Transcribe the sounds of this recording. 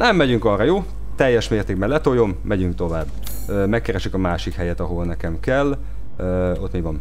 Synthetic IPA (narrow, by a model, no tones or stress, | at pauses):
nɛmːɛɟyŋkɒrɒjoː | t̪ɛjːɛʃmeːrt̪eːɡ̚bɛnlɛt̪o̞jo̞mːɛɟyŋkt̪o̞vaːbː | øːmɛkːɛɾɛʃykɒmaːʃikhɛjɛt̪ɒɦo̞lnɛkɛmkɛlː | øo̞t̪miɡʋɒm